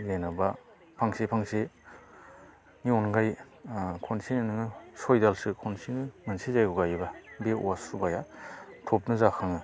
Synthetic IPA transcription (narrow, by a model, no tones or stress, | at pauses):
jajnaba | pʰaŋsepʰaŋse | niɔnɡaj | kʰɔnsininɯŋɯsojdalsɯkʰonsʰinɯmansʰizajɡɔɡajbabeṵwasubajatʰop̚nɯzakʰaŋɯ